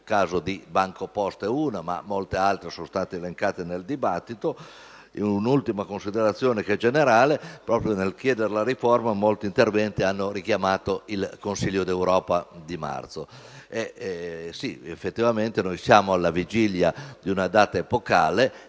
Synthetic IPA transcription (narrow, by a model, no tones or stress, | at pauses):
kaːzod̪ibaŋkopɔst̪euːnama̰mːolt̪ealt̪ɾesonst̪aːt̪eːleŋkaːt̪eneld̪ibat̪ːit̪o | unult̪imakonsid̪eɾat̪sːjoːnekɛd͡ʒeneɾaːlepɾɔːpɾjonelkjɛːd̪eɾlaɾiformamolt̪int̪ervɛnt̪ianːoɾikjamaːt̪oilkonsiʎːod̪ewɾɔːpad̪ima̰rt̪so | e | siḛfːet̪ːivament̪enojsjaːmoalːavid͡ʒiljad̪iunad̪aːt̪aepokaːle